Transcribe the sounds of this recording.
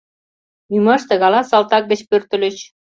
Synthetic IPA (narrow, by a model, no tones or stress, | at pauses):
numɑʃt̪ə̆ɣɑlɑsɑlt̪ɑk̚ɡə̆t͡ɕpørt̪ə̆lə̆t͡ɕ